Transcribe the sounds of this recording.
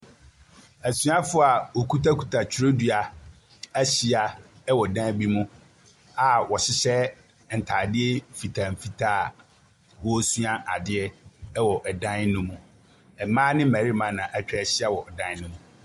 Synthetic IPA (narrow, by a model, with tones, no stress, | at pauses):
æ˨su˦a˦fʊ˦a˨wo˨kʰu˦tʰa˦kʰu̥˨tʰa˨t͡ɕʰɾo˦dɥa˨ | æ˦ɕi˦a˨ | ɛ˦wɔ˨dã˦bi˦mũ˦ | a˨wɔ˨ɕɪ˦ɕɛ˦ | n̩˨tʰa˨dɪ˦ɛ˦fi˨tʰa˨m̩˨fi˦tʰaː˦˨ | wɔ˦su˦a˦ʔa˨dɪ˦ɛ˦wɔ˨ʔɛ˨dã˦nnũ˦mũ˨ | ɛ˨mãː˦nɪ̃˦m̩˦mã˨ɾi˦mã˨˦nã˨ʔæ˦t͡ɕᶣɛ˦ɛ˨ɕɪ˦a˦wɔ˨dã˦n˦nʊ̃˦mũ˨